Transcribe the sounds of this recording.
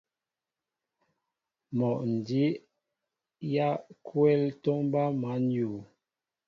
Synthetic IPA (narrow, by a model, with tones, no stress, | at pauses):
mɔ˨ʔn̩˨di˨˦ʔ | ja˦kʰwɛ˦ltɔ˦mba˦ma˨˦n˦ju˨